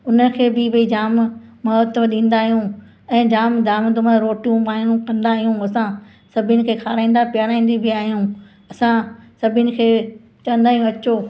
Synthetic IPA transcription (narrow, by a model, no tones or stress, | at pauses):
ʊnə̆kʰeːbɪbɐid͡ʑaːm | mːɐɔt̪əfɗĩːn̆d̪aːɦijũ | ɛ̃ːd͡ʑaːmd̪aːmd̪ʊmə̃ɾoːʈijũpaːnũkɐ̃nd̪aːɦijũɐsã | sɐbʱɪnɪ̆kʰeːkʰaːɾaːĩːnd̪apɪjaːɾaːĩːnd̪ibʱiaːɦijũ | ɐsãsɐbʱɪnɪ̆kʰeː | t͡ɕɐʋə̃nd̪aːɦijũɐt͡ɕoː